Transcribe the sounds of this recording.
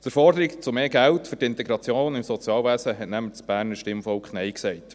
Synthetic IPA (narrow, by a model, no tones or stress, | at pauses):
t͡səɾfɔrdəɾikt͡sʊmeːɡæltfʏtɪntɛɡɾɑt͡sjoːnɪmsɔt͡sjɑːlʋæːsəɦɛtnæmət͡sb̥æːɾnəʃtɪmfɔlkχnɛɪksɛɪt